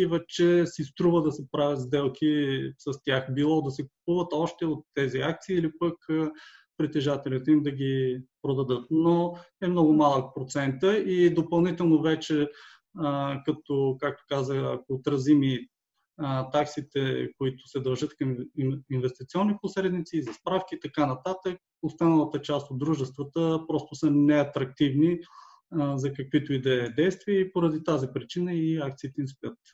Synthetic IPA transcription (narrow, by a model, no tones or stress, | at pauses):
ivɛt͡ʃɛsist̪ɾuvəd̪ɐsɛpɾavʲət̪zd̪ɛlˠkʰʲisɐst̪ʲjaxbilˠɔd̪ɐsɛku̥puvət̪ɔʃt̪ɛot̪ːɛziak̚t̪siːlipəkəpɾit̪ɛʒat̪ɛlit̪ɛimd̪ɐɡʲipɾod̪ɐd̪ɤt̪̚noɛmnɔɡʊmalˠək̚pɾot̪sɛnt̪əid̪opɐlˠnit̪ɛlˠnovɛt͡ʃɛ | kɐt̪okak̚t̪o̥kazəxɐ̰koːt̪ɾɐzimi | t̪aksit̪ɛkʊit̪ʊ̥sɛd̪ɐlˠʒət̪kɐmiinvɛst̪it̪siɔnːiposɾɛd̪mit̪siːzɐspɾafk̟iːt̪ɐkanɐt̪at̪ək̚ | ost̪anəlˠət̪ət͡ʃast̪od̪ɾuʒɛst̪vət̪əpɾɔst̪ʊsɐnɛɐt̪ɾɐk̚t̪ivni | zɐkɐkvit̪oid̪ɛd̪ɛjst̪viəipoɾɐd̪it̪azipɾit͡ʃinəiak̚t̪siːt̪ɛinspʲət̪